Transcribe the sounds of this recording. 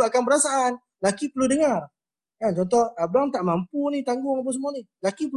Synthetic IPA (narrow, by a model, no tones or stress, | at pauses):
akanbəɾasaʔan | lakipəludəŋar | kant͡ʃɔnt̪ɔhab̚daŋt̪aʔmampunit̪aŋɡʊŋap̬unsəmuanilakipə